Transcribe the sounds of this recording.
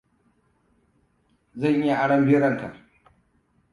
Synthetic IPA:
zɐ˦˨ɲji˦ʔa˨ɽɐ˦mbɪ˦ɽɐ˦˨nta̰˨ʔ

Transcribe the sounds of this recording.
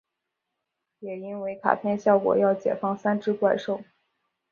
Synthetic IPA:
jɛ˨˩i˥nwe˧˥ɪkʰa̰˨˩pʰjɛ˥˧nɕjɑ˥˩ʊkwɔ̰˨˩jɑ˥˩ʊt͡ɕjɛ̰˨˩fɑ˥˩ŋsa˥nʈ͡ʂɻ̩˥kwa˥˧ɪʂo˥˩ʊ

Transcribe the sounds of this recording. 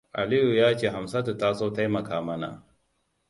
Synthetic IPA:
ʔa̰˨li˦ju˨jaː˦t͡ʃeː˨ɦa˨msa˦da˨taː˦soː˦ta˦jmɐ˨kaː˨mɐ˦na̰˨

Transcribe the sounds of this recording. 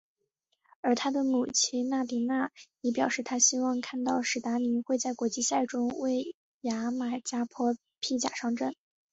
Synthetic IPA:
ə˞˧˥t̪ʰa˥d̪ə˨mu˨˩t͡ɕʰi˥na˥˩t̪i˧˥na˥˩jɛ˧˥pjɑ˨˩ʊʂɻ̩˥˩t̪ʰa˥ɕi˥wɑ˥˧ŋkʰa˥˧nt̪ɑ˥˩ʊʂɻ̩˨˩t̪a˧˥mi˧˥nxwe˥˧ɪt͡sa˥˩ɪkwɔ˧˥t͡ɕi˥˧ɕja˥˩ɪʈ͡ʂʊ˥ŋwe˥˩ɪ | ja˧˥ma˨˩t͡ɕja˥pʰwɔ˥ | pʰi˥˩t͡ɕja̰˨˩ʂɑ˥˧ŋʈ͡ʂə˥˩n

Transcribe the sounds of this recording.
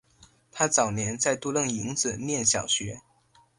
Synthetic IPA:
t̪ʰa˥t͡sɑ˨˩ʊnjɛ˧˥nt͡sa˥˧ɪt̪u˥˧lɤ˥˩ŋi˧˥ŋd͡zɹ̩˨˩njɛ˥˩nɕjɑ˨˩ʊɕɥɛ˧˥

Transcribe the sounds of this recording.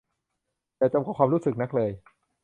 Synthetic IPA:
t̪ɛː˨˩t͡ɕa˧mkɔː˨˩kwaː˧mɾuː˦˥sɯ˨˩k̚na˦˥k̚lɤː˧j

